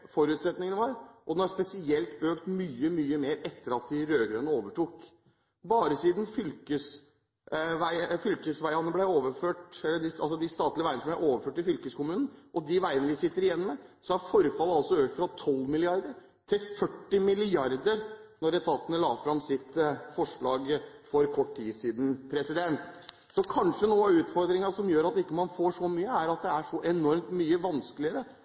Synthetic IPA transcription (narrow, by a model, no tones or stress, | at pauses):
fɔɾʉːt̪sɛt̪nɪŋənəʋɑɾʔɔd̪nhɑɾspɛsɪɛlt̪øːkt̪myːəmyːəmeːɾɛt̪ːəɾɑt̪̚d̪ɪɾøːɡɾɛnːəoːʋəʈuːk | bɑːɾəsiːd̪n̩fʏlkəs | ʋæɪfʏlkəsʋæɪɑnəblæɪoːʋəɾføːʈɛlːəɖɪɑ̰lsɔd̪ɪst̪ɑːt̪lɪəʋæɪnəblæɪʔoːʋəɾføːʈɪfʏlkəskʊmʉːnn̩ʔɔd̪ɪʋæɪənəʋɪsɪt̪ːəɾɪjɛnːɔmɛsɔæɾfɔɾfɑlːəɑlsɔøːk̚t̪fɾɑt̪ʰɔlːmɪlɪɑɾd̪əɾ | t̪ʰɪlfœʈːɪmɪlɪɑɾd̪əɾnɔɾɛt̪ʰɑːt̪ənəlɑːfɾɑmsɪt̪fɔʂɭɑːɡfɔɾkʰɔʈːtiːsiːd̪n̩pʰɾɛsɪd̪ɛnt̪ | sɔkʰɑnʂənuːɑʉːt̪fɔɾd̪ɾɪŋɑʂɔmjøːɾɑt̪̚ːɪkːəmɑnfoːʂɔmyːəæɾɑt̪̚d̪ɛæʂɔʔɛnɔɾmt̪myːəʋɑnskəlɪəɾə